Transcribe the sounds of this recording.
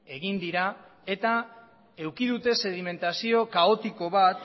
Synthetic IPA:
e̞ɣind̪iɾa | e̞t̪a | e̞wkiðut̪e̞se̞ð̞ime̞nt̪asio̞kao̞t̪iko̞βat̪

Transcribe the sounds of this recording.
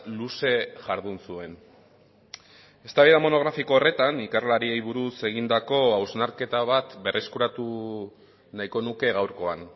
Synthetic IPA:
luse̞ʝaɾðunsue̞n | e̞st̪aβeðamo̞no̞ɣɾafiko̞ːre̞t̪anikarlaɾiejβuɾuse̞ɣ̞ind̪ako̞awznaɾke̞t̪aβ̞at̪be̞rʔe̞skuɾat̪u | najko̞nuke̞ɣawɾko̞an

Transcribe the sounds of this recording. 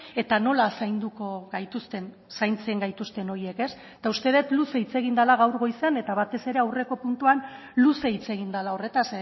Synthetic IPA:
e̞t̪ano̞lasajnd̪uko̞ɣajt̪ust̪e̞n | sajnt͡seŋɡajt̪ust̪e̞no̞ɾie̞ke̞st̪aust̪e̞ð̞e̞t̪luseit͡se̞ɣind̪alaɣ̞awɾɣo̞jsene̞t̪aβat̪e̞se̞ɾe̞awre̞ko̞punt̪uan | luseit͡se̞ɣ̞ind̪alao̞re̞t̪ase

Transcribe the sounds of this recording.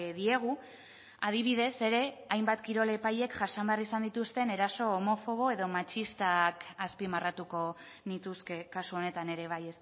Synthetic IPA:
ðie̞ɣ̞u | að̞iβ̞iðe̞se̞ɾe̞ajmbat̪kiɾo̞le̞paje̞kʝasambearisand̪it̪ust̪e̞ne̞ɾaso̞ːmo̞fo̞β̞o̞e̞ð̞o̞mat͡ʃist̪akaspimarat̪uko̞nit̪uske̞kasuo̞ne̞t̪ane̞ɾe̞β̞ajes

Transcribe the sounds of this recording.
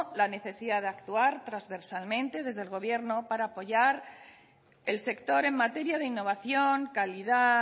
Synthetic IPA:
lane̞θe̞siðað̞eakt̪uaɾt̪ɾazβe̞ɾsalmẽnt̪e̞ð̞e̞zðe̞lɣ̞o̞β̞je̞ɾno̞paɾaːpo̞ʝaɾ | e̞lse̞kt̪o̞ɾe̞ŋmat̪e̞ɾjað̞e̞inːo̞β̞aθjo̞ŋkaliða

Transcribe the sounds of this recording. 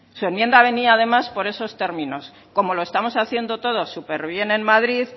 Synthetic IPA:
sue̞nmje̞nd̪aβ̞e̞niaːð̞e̞maspo̞ɾe̞so̞st̪e̞ɾmĩno̞s | ko̞mo̞lo̞e̞st̪amo̞saθje̞nd̪o̞t̪o̞ð̞o̞sːupe̞ɾβ̞je̞nenmaðɾið

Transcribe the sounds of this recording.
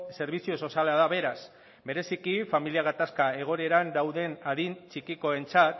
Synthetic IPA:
se̞ɾβ̞isio̞so̞salaðaβe̞ɾas | be̞ɾe̞sikifamiliaɣ̞at̪askae̞ɣ̞o̞ne̞ɾand̪awðe̞naðint͡ʃikiko̞e̞nt͡sat̪

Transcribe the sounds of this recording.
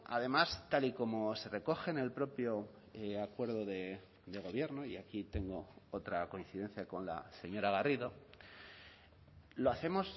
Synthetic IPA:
a̰ðe̞mast̪aliko̞mose̞re̞ko̞xene̞lpɾo̞pjo | akwe̞ɾð̞oðe̞ | d̪e̞ɣ̞o̞β̞je̞ɾno̞iakit̪e̞ŋɡo̞ot̪ɾako̞in̟θiðe̞n̟θjako̞nla̰se̞ɲo̞ɾaɣ̞ariðo̞ | loaθe̞mo̞s

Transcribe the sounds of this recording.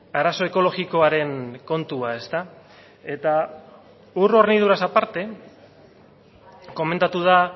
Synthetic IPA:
aɾaso̞e̞ko̞lo̞ɣiko̞aɾe̞ŋko̞nt̪uae̞st̪a | e̞t̪a | uro̞ɾniðuɾasapaɾt̪e̞ | ko̞me̞nt̪at̪uða

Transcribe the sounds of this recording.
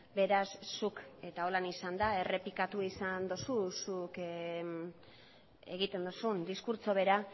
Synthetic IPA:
be̞ɾasːuke̞t̪ao̞lanisand̪ae̞re̞plikat̪uisand̪osusuk | eɣit̪e̞nd̪osund̪iskuɾt͡so̞βe̞ɾa

